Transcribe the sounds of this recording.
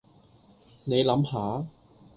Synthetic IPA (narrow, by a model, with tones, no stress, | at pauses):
ne˨˧jlɐ˨˥mhaː˨˥